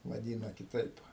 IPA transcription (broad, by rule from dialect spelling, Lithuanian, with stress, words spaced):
ʋɐˈdʲiːnɐ kʲɪˈtɐɪp